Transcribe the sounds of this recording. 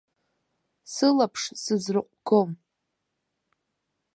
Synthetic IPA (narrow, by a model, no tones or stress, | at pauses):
sɨlapʰʂsɨzrɨqʷʼɡ̥om